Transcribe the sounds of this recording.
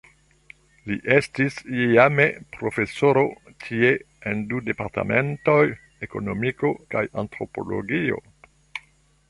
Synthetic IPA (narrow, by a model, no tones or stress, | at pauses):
liʔe̞stisiamepɾo̞fe̞so̞ɾo̞ | tʰie̞ | endude̞paɾta̰me̞nto̞j | eko̞no̞miko̞kajantɾo̞po̞̰lo̞̰ɡio̞̰